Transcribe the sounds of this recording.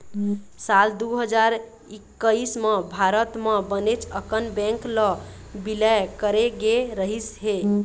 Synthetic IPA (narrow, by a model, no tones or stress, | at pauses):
sald̪uɦəd͡ʒaɾ | ikːəismebʱaɾət̪mebənet͡ʃʰəkənbɛ̃ŋklɔ | bilɛjkəɾeɡeɾəɦisɦe